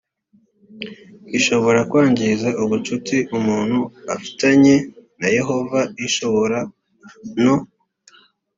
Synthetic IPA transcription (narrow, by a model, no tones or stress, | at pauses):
iʃo̞βo̞ɾakwaːɲɟizaʔuβut͡ʃutiʔumuːn̥huafi̥taɲe̞naje̞ɦo̞vaiʃo̞βo̞ɾa | no